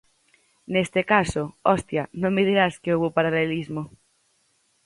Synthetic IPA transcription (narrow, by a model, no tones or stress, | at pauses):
nest̪ekasoɔst̪janõŋmeðiɾaskeowβopaɾalelizmo